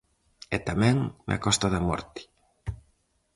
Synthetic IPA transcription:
ɛt̪amɛ̃ŋm̰a̰kɔst̪aðamɔ̰ɾt̪i̥

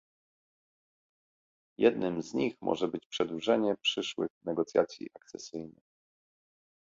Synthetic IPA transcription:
jɛd̪nɘmzɲixmʔɔ̰ʐɛbɘt͡ɕpʂɛd̪wuʐɛɲɛpʂɘʂwɘ̰xnɛɡɔt̪sʲja̰t̪sʲjḭʔak̚t̪sɛ̰sɘjnɘ̰x

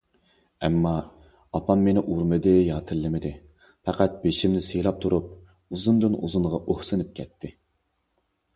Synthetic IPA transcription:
ɛmːɑ | ɑpʰɑmːenɪʔuɾmɨd̪ɨjɑːt̪ʰɨlːˠɪmɪd̪ɪ | fɛqæt̪̚beʃimnɪsejlˠɑp̚t̪ʰuɾup̚ | uzund̪ɨnṵzunʁɑʔohsɨnɨp̚kʲʰɛt̪ʰːɪ

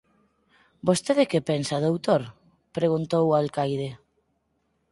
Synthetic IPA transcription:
bost̪eðekepensaðowt̪oɾ | pɾeɣ̞unt̪owalkajðe

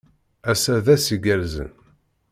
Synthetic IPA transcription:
æsæðæsiɡælzə̰n

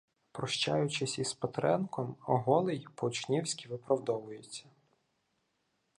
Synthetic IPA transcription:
pɾɔʃt͡ʃa̰jʊt͡ʃɪsʲispɐt̪ɾɛnkɔmɔɦɔlˠɪjpɔʊt͡ʃnʲiwsʲkʲiʋɪpɾɐwd̪ɔʋʊjet͡sʲːɐ

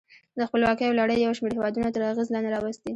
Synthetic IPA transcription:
d̪əxpəlwɑkəjalaɽəjːawʃmeɾhewɑd̪unat̪əɾaɣezlɑnd̪eɾɑwəst̪i

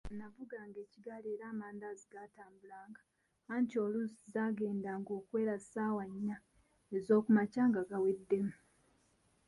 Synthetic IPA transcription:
navuɡaːŋɡe̞ːciɡaleːɾaːmaːndaziɡataːmbulaːŋɡa | aɲco̞ːlusizaːɡe̞ːndaŋɡo̞ːkwe̞ːɾazisaːwaɲːa | e̞zo̞ːkumacaːŋɡaɡawedːe̞mu

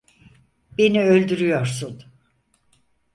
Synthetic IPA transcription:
beniølʲd̪yɾyjoɾsun

